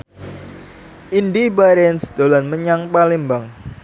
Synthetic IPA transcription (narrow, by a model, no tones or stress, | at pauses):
ʔindibaɾɛnsd̪̥olanməɲaŋpalimbaŋ